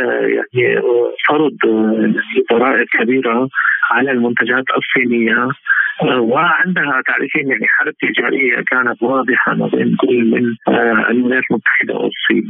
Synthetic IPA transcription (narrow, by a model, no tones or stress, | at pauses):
ja̰ʕnifɑɾˤd̪ˤjaʕnid̪ˤɑɾˤɑːʔɪqkabiːɾaʕalalmʊnt̪ad͡ʒaːt̪ʔɑ̰sˤːiːnɪjːa | wɪʕɪnd̪ɦat̪aʕɾɪfiːnjaʕniħalat̪ːɪd͡ʒaːɾɪjːa̰kaːnat̪wɑːd̪ˤɨħa̰mabḭːnkʊlːmɪ̰nʔa̰lmɪnaːt̪lmʊt̪ːḁħɪd̪a̰wɪ̰sˤːḭːn